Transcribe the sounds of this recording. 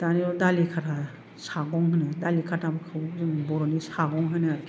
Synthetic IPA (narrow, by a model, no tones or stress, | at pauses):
taniɾɔdalikʰatʰa | saɡɔŋɦɯnɯdalikʰatʰabɯkʰabukzɯŋbɔɾɔnisaɡɔŋɦɯnɯaɾkʰ